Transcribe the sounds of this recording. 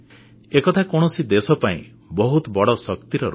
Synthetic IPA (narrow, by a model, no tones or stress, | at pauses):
ekɔt̪ʰakɔɽ̃ɔsid̪esɔpaḭ̃ | bɔɦut̪ɔbɔɽɔsɔkt̪iɾɔɾ